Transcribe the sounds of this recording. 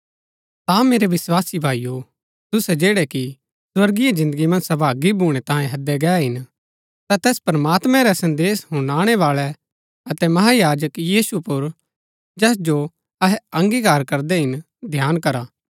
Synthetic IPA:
t̪ameːɾeʋɪswaːsibʱaːijo | t̪ʊsɛd͡ʒeːɽɛki | swɐɾɡijed͡ʒɪ̃nd̪əɡimɐ̃nd͡ʒsɐbʱaːɡibʱuːɽ̃ɛt̪ãːjẽɦɐd̪ɛɡɛːɦɪn | t̪at̪ɛːspɾɐmaːt̪mɛ̃ɾɛsɐ̃nd̪eːsɦʊ̃ɽaːɽ̃ɛʋaːɭɛ | ɐt̪ɛmɐɦajaːd͡ʒəkjiːsupʊɾ | d͡ʒɛːs̬d͡ʒo | ɐɦɛɐ̃ŋɡikaːɾkɐɾd̪ɛɦɪn | d̪ʱjaːnkɐɾaː

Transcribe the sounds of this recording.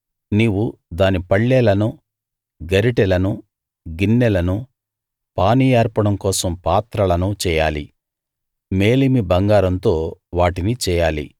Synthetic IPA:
niːwud̪aːnipɐɭːɛːlɐnu | ɡɐɾiʈɛlɐnu | ɡinːɛlɐnu | paːnijaːɾpɐɽɐmkɔːsɐmpaːt̪ɾɐlɐnut͡ʃɛːjaːlḭ | meːlimibɐŋɡaːɾɐnt̪o̞ːʋaːʈinit͡ʃɛːjaːlḭ

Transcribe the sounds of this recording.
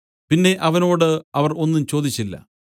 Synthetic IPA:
pinːe̞ʔɐʋɐno̞ːɽɨɐʋɐro̞nːumt͡ɕo̞ːd̪it͡ɕːilːɐ̰

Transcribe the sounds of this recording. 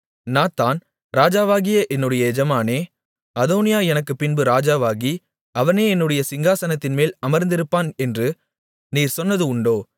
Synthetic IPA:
naːt̪ːaːn | ɾaːd͡ʒaːʋaːɣɪjɐʔɛnːɯɽɐjɐɛd͡ʒɐmaːneː | ɐðoːnɪjaːɛnɐkːɯpːɪnbɯɾaːd͡ʒaːʋaːɣi | ɐʋɐneːɛnːɯɽɐjɐsɪŋɡaːsɐnɐt̪ːɪnmeːlɐmɐɾnd̪ɪɾɯpːaːnɛndrɯ | niːɾsɔnːɐðɯʊɳɖoː

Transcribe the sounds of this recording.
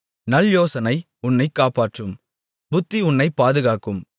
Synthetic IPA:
nɐljoːsɐnɐɪ | ʊnːɐɪkːaːpaːʈrɯm | bʊt̪ːiʊɳːɐɪpːaːðɯɣaːkɯm

